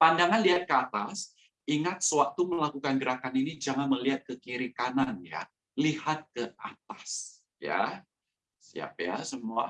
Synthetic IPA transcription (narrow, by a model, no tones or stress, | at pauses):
pandaŋanliɦat̪̚kəat̪as | iŋat̪̚səwak̚t̪uməlakukanɡəɾakaninid͡ʒaŋanməliɦat̪̚kəkiɾikananja̰ | lihat̪̚kəʔat̪as | ja̰ | sḭa̰p̚ja̰səmua̰